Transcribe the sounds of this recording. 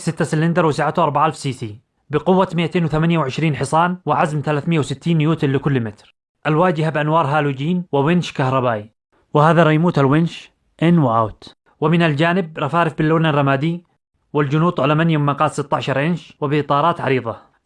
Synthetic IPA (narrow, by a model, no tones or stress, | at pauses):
sɪt̪ːasɪlɪnd̪ɑɾˤwɪsaʕat̪ʔɑɾˤbaʕʔalfsiːsiː | bɪqʊwːamɪʔat̪eːnwθamanjawʕɪʃɾiːnħɪsˤɑːnwɪʕazmθalaːθmɪjːawsɪt̪ːiːnjuːt̪ɪllɪkʊlːmɪt̪ɾ | ʔalwaːd͡ʒɪhabɪʔanwɑːɾˤɦaːlud͡ʒiːnwɪwɪnʃkahɾˤɑbaːʔi | wɪhaːðaɾˤɑjmuːt̪alwɪnʃ | ʔɪnwɪʔawt̪ | wɪmɪnald͡ʒaːnɪb̚ɾˤɑfaːɾɪfbɪlːoːlnarˤːɑmaːd̪i | wɪld͡ʒʊnuːt̪ˤʕalamanjamːaqɑːt̪sɪt̪ːaʕʃɑɾˤʕɪnʃwɪbɪʔt̪ˤɑːɾˤɑːt̪ʕɑ̰ɾiːðˤɑ